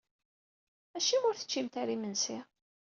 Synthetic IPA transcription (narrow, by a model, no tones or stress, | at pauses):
æʃimʊɾθə̥t͡ʃːimt̪æɾimənsi